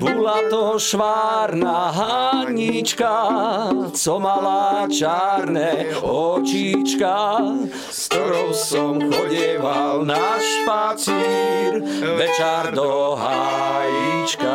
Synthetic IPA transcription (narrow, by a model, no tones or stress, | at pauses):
bulat̪ɔʃʋaːɾnaɦaɲit͡ʃka | t͡sɔmalat͡ʃaːɾnɛɔt͡ʃit͡ʃka | st̪ɔɾɔʊsɔmxɔɟiɛʋalnaʃpat͡siɾʋɛt͡ʃaɾd̪ɔɦajit͡ʃka